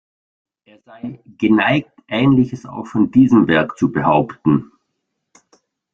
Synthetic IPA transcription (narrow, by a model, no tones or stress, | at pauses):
ʔeːɐzaɪɡ̥ənaɪk̚tʔɛːnlɪçəsa̰ʊxfɔndiːzəmvɛɐkt͡subəhaʊptn̩